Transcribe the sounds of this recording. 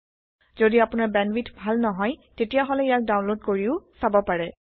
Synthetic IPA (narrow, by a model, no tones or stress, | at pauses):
zodiapʊnaɹbɛnwitʰbʱalnɔɦɔjtetijaɦɔlɛijak̚daw̃nlod̚koɹiʊsabɔpaɹɛ